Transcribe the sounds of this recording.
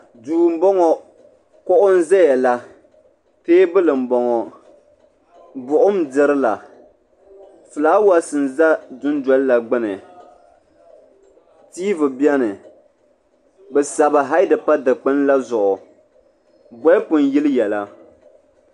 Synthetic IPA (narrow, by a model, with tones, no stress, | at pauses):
duː˨m̩˦bɔ˦ŋɔ˨ | kʊ˦ʔʊ˦n̩˦zɛ˦jɛ˨la˦ | peː˦bɨ˦lɨ˨m̩˨bɔ˨ŋɔ˨ | bʊ˨ʔʊ˦mdɨ˦ɾɨ˦la˨ | fɨ˨laː˦wa˦sɨ˨n˨za˦dʊ˦n˦dɔ˦lla˨ɡ͡bɨ˦nɨ˨ | tiː˦vɨ˨bjɛ˦nɨ˨ | bɛ˨sa˨ba˨ɦa˦jdɨ˨pa˦dɨ˨k͡pɨ˦n˦la˦zʊ˨ʔʊ˨ | bɔ˦pʊ˨n˨ji˦lɨ˦jɛ˨la˦